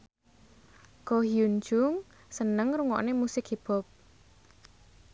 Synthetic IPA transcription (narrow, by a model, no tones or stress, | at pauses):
kɔɦjund͡ʒʊŋ | sənəŋruŋɔ̰ʔnemusɪkhib̥ɔ̤p̚